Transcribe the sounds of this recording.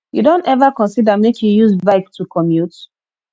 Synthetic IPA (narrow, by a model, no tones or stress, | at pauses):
judõntɛvakɔ̃nsidamekʰjujuzbaɪk̚tʰukʰɔmjut